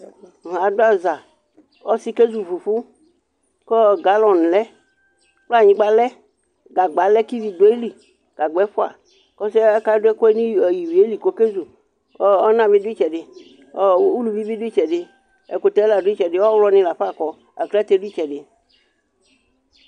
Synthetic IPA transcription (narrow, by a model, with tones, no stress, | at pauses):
a˨do˦a˨za˨ | ɔ˦si˦ke˦zu˨vu˨ɸu˦ | kɔ˦ɡa˨lɔ̃˨n˨lɛ˦ | k͡pla˦˨ɲĩ˦ɡ͡ba˦lɛ˦ | ɡa˨ɡ͡ba˨lɛ˦ki˦vi˨do˨˦e˦li˨ | ɡ̥a˨ɡ͡bɛ˨˦ɸʊ˦a̰˨ | kɔ˦sɛ˦ɛ˦ka˦dʊ˦ɛ˦ko˦ɛ˦nĩ˦˨ji˨wi˨e˦li˨ko˦ke˦zu˨˦ | ɔ˦nã˨bi˦di˦t͡ʃɛ˨ɖɪ˨˦ | u˦lu˨bi˦bi˦di˦t͡ʃɛ˨ɖɪ˦ | ɛ˨ko˨t̪ɛ˨˦la˨di˦t͡ʃɛ˨ɖɪ˦wɔ˦wlɔ˦nĩ˦la˨ɸa˦˨kɔ˨ | a̰˨klt̪e˨˦du˦i˦t͡ʃɛ˨ɖɪ˨